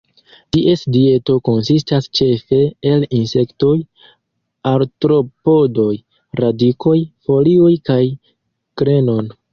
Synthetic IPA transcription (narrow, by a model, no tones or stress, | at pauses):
tiʔe̞sdie̞to̞ko̞nsistast͡ʃe̞fe̞ːlinse̞kto̞j | aɾtɾo̞po̞do̞j | ɾadikʰo̞jfo̞lio̞jkaj | kɾe̞no̞n